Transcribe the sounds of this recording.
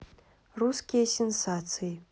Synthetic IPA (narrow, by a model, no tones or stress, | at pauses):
ruskʲijɐsʲensat͡sʰɨji